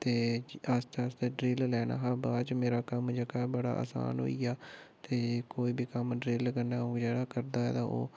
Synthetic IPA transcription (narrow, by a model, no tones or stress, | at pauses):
t̪eːəst͡ʃ̪ast̪eːɖɾiːllɛːna̰ːɦaːbaːt͡ʃmeːɾaːkəmd͡ʒəɡaːbəɽa̰ːʔə̰sa̰ːnɦo̰ːiːaː | t̪eːkoːiːbiːkəmɖɾiːlkəɾnaːõːd͡ʒeːɽaːkəɾd̪aːɛ̰ːt̪ãːʔo̰ː